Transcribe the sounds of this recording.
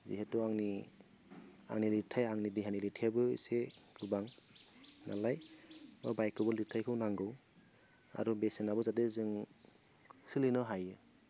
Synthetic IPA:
zḭɦetɔaŋni | a̰ŋnilitʰajaŋnidiɦanilitʰajabɯḭseɡɯbaŋ | na̰lajmɔbajkʰːɯbɔlitʰajkʰɯwnaŋɡɯw | a̰ɾubesenabɔzadezɯŋ | sɯlinɔɦajɯ

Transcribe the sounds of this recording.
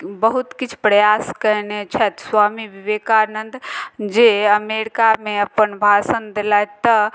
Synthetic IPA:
bəɦut̪kit͡ʃʰpɾəjaskəɾnet͡ʃʰɛt̪swaːmiʋiʋekaɾnənd̪d͡ʒeəmeɾikameəpənbʱasənd̪elajt̪ə

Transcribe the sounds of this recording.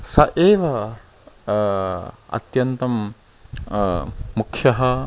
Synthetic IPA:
sɐʔeːʋɐ | ɐ̰t̪jɐnt̪ɐm | ukʰjɐɦɐ

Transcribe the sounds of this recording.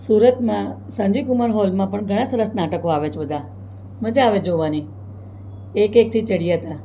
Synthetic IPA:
suːɾət̪mã | sə̃ɲd͡ʒikʊmalɦolmãpəɳɡʱəɽ̃ãsəɾəsnaːʈəkoaːʋet͡ʃbəd̪ʱã | məd͡ʒaaʋed͡ʒoʋani | ekek̚t̪ʰit͡ʃəɽijat̪a

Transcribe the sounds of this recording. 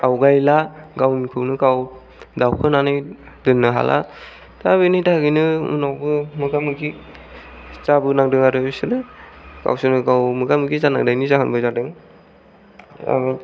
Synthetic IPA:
awɡajlaɡawnikʰɯwnɯkaw | dawkʰɯnanɯj | dɯnːɯɦa̰lʔa̰ | tabɯnɯjdaɡɯjnɯṵnawbɯmɯɡamɯɡi | z̥abɯnaŋdɯŋaɾɯsɯnɯka̰wsɯnɯɡawmɯɡamɯɡizana̰ŋdajnizakʰanbɯzadɯŋ | a̰

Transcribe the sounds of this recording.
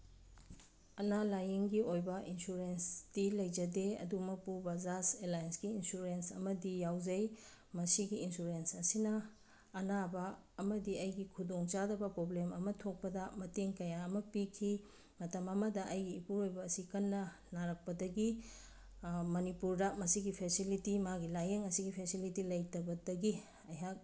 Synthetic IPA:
ɐnalajeŋɡiojbɐinsuɾensd̥ilɐjd͡ʒɐdeɐ̰dumɐpubɐzaselajnsɡiːnsuɾensɐ̰mɐdijawzɐj | mɐsiɡiːnsuɾensɐsinɐː | nabɐː | mɐdiɐjɡikʰudoŋt͡ʃadɐbɐpɾoblemɐmɐtʰok̚pɐdɐmɐteŋkɐjaɐmɐpikʰi | mɐtɐmɐmɐdɐʔɐjɡiːpuɾojbɐːsikɐnːɐ | naɾɐk̚pɐdɐɡi | mɐnipuɾdɐmɐsiɡipʰesilitimaɡilajeŋɐsiɡipʰesilitilɐjtɐbɐdɐɡi | ɐjɦak̚

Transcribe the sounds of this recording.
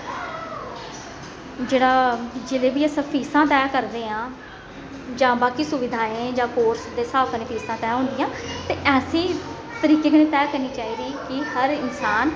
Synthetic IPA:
d͡ʒeːɽaːd͡ʒeːleːbiːəsãːpʰiːsãːt̪ɛːkəɾd̪eːãː | d͡ʒãːbaːkiːsʊʋɪd̪ʱaːẽːd͡ʒãːkoːɾsd̪eːsaːkəneːpʰiːsãːt̪ɛːɦʊ̃ːnd̪ijãːt̪eːʔɛːsĩː | t̪əɾiːkeːkənẽːt̪ɛːkəɾniːt͡ʃaːiːd̪iːkɪhəɾɪnsaːn

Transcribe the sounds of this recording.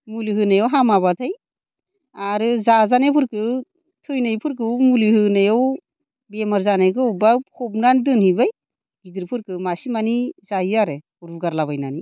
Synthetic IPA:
muliɦɯnajɔwɦamaβatʰaj | aɾɯzazanepʰɯɾkɯ | tʰɯjnajpʰɯɾkɯwmulihɯnajɔw | bemaɾzanajkɯubakʰɔp̚nandɯnhibaj | ɡidɯɾpʰɯɾkɯmasimanizaiaɾɯ | uɾbuɡaɾlaβajnani

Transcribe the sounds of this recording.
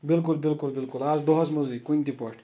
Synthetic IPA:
bilkulbilkulbilkulaːzd̪ɔɦɔsmɐzikunʲt̪ipɔʂʈʲ

